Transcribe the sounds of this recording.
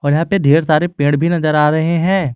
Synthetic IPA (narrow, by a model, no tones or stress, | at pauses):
ɔːɾjɐɦãːped̪ʱeːɾsaːɾepẽːɽbʱinɐzəɾaːɾɐɦeɦɛ̃ː